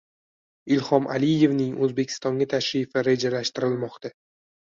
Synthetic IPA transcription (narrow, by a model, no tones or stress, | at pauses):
ɪlhɒmʔa̰lɪje̞vnɪŋɵzbe̞kʲʰɪ̥st̪ɒŋɡʲat̪ʰaʃɾɪfɪɾe̞d͡ʒalaʃt̪ɪɾɪlmɒqt̪a